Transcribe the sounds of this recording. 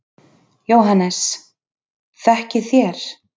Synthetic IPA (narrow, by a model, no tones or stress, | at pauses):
joːwɦanːɛs | θɛhcɪθjɛɾ̥